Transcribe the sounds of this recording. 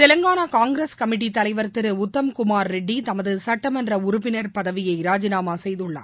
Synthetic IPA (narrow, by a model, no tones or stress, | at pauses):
t̪ɛlɐŋɡaːnakaːŋɡɾeskɐmɪʈ̬ːit̪ːɐlɐɪʋɐɾt̪ɪɾɯʊt̪ːɐmkʊmaːɾːɛɖːit̪ɐmɐðɯsɐʈːɐmɐndrɐʊɾʊpːɪnɐɾpɐðɐʋɪjɐɪɾaːd͡ʒɪnaːmaːsɛjðɯɭːɐ̰